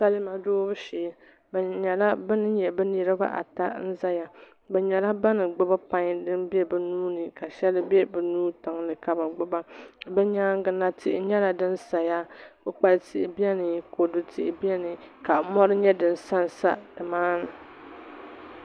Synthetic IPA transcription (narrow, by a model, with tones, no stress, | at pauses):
sa˦lɨ˦ma˨doː˦bɨ˦ʃeː˨˦ | bɛ˨ɲɛ˨la˦bɨ˦nɨ˦ɲɛ˨bɛ˦ni˨ɾɨ˦ba̰˦ʔa̰˨ta˦n̩˦za˦ja˨ | bɛ˨ɲɛ˨la˦ba˦nɨ˨ɡ͡bʊ˦ba˦pa˦ɲ˦dɨ˦nbɛ˦bɛ˨nuː˦nɨ˨ka˨ʃɛ˦lɨ˦bɛ˦bɛ˨nuː˦ta˨ŋnɨ˨ka˨ba˨ɡ͡bʊ˦ba˦bɛ˦ɲaː˦ŋ˦ɡɨ˦na˦tɪ˦ʔɪ˦ɲɛ˦la˨dɨ˦nsa˨ja˦bʊ˦k͡pa˨lɨ˨tɪ˦ʔɪ˨bi˦ɛ˦nɨ˨ko˨dɨ˨tɪ˦˨ʔɪ˨bi˦ɛ˦nɨ˨ka˨mɔ˦ɾɨ˦ɲɛ˦dɨ˨n˨sa˦n˨sa̰˦dɨ˨maː˦nɨ˨